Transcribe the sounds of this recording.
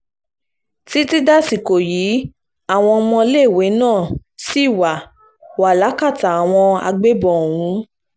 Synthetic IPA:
ti˦ti˦da˦si˨ko˨jiː˨˦ | a˦˨w̃ɔ̃˧mɔ̃˧le˦˨we˨˦nãː˦˨si˦˨wa˨ | wa˨la˨˦ka˦˨ta˨a˨w̃ɔ̃˧a̰˧ɡ͡be˦bɔ˨o˨ɾũ˨˦

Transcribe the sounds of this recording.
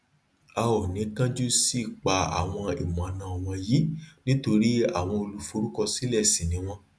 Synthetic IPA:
a˧ɔ˨nĩ˨˦kã˦d͡ʒu˦si˦˨k͡pa˧a̰˨w̃ɔ̃˧ḭ˨mã˨˦nã˧ɔ˧w̃ɔ̃˧ji˦nĩ˦to˧ɾi˦a̰˦˨w̃ɔ̃˧o˧lu˧fo˧ɾu˦kɔ˧si˨˦lɛ˦˨si˨nĩ˨˦w̃ɔ̃˧

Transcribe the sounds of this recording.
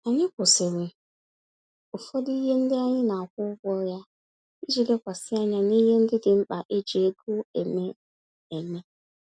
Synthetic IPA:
a˨ɲɪ˦kʷʊ˨se˨we˨ | ʊ˨fɔ˦di˦ɦe˦n̩˦dɪ˦a˦ɲɪ˦na˨a˨kʷʊ˦ʊ˦ɡʷɔ˦ja˦ | i˦d͡ʒi˨le˦kʷa˨sɪ˦a˦ɲa˦ni˦ɦe˦n̩˦dɪ˦dɪ˨m̩˦k͡pa˨ʔe˦d͡ʒe˨e˦ɡu˦e˨me˦ | e˨me˦

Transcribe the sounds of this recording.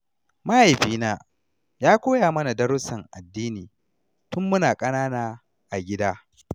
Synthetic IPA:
ma˦ha˨jɸiː˦naː˦ | jaː˦kʷoː˦jaː˨mɐ˦na˨dɐ˦ɾʊ˦sɐ˨ŋʔa˨dːiː˦niː˨ | tʊ˦mːʊ˦naː˨kʼɐ˦naː˦naː˦ | ʔa˨ɡʲɪ˦daː˦

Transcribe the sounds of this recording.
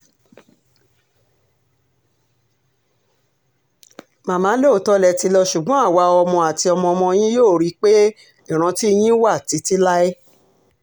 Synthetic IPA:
mãː˨mã˨˦le˦o˨tɔ˦lɛ˧˨ti˧lɔ˧ʃu˨ɡ͡bɔ̃˨˦a˦˨wa˧˦ɔ˧mɔ̃˧a˨ti˧ɔ˧mɔ̃˧ɔ˧mɔ̃˧j̃ĩ˦joː˦˨ɾi˨˧˦k͡pe˦ | i˦˨ɾ̃ã˧ti˦˧j̃ĩ˦wa˦˨ti˨˧˦ti˦la˦e˦

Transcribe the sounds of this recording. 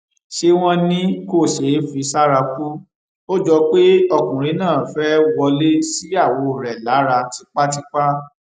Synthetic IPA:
ʃe˧w̃ɔ̃˧nĩ˦ko˦˨ʃe˨˦fi˧sa˦ɾa˧ku˦ | o˦d͡ʒɔ˧k͡pe˦ɔ˧˨kũ˨ɾi˨˧˦nãː˦˨fɛ˦wɔ˧le˦si˦a˦˨wo˨˦˨ɾɛ˨la˨˦ɾa˧tʰi˧˦k͡pa˦ti˦k͡pa˦

